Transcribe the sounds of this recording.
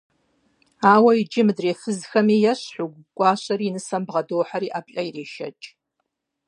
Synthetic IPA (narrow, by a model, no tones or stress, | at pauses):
aːwɐid͡ʒɪmɨdreːfɨzxɐmiːjɐɕħʷʊɡʷkʷʼɑːɕʼɐɾiːnɨsɐmbʁɐdoːħaɾiːʔaːpɬʼɐireːʃɐ̰t͡ʃʼ